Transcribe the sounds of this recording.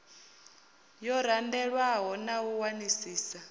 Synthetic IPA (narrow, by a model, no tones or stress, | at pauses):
jɔɾandɛɺwaɦɔnawuwanisiːsa